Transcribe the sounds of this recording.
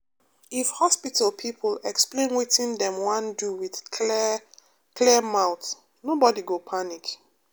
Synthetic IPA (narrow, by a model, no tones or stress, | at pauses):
ifhɔspitʰalpʰipʰəlɛksplẽnwitĩndɛ̃mwãnduwið | kʰlɛmaʊt | nobɔdiɡopʰanik